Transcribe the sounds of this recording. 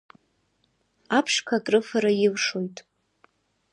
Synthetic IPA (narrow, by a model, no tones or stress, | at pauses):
apʰʂkʰakʼrɨfaɾajɪlʂo̞jtʼ